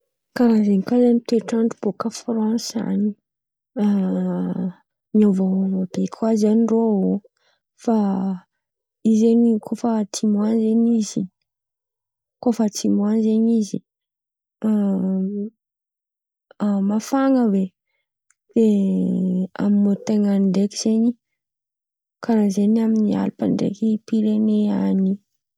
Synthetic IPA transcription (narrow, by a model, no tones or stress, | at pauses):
kaɾazenkazanit̪eʈ͡ʂaɳɖ͡ʐub̥okafrãsa̰ni | a | ɲiovaɦomabekʰwazaniɖ͡ʐoɦo | fa | izenikʰofat̪ʰimuanzeɲizi | kofət̪imuanzeɲizi | mafaŋəve | d̪̥e | a̰mimot̪eŋaɳɖ͡ʐeki̥z̥eɲi | kanazeɲiaminia̰lipa̰ɳɖ͡ʐḛkipiɾeneani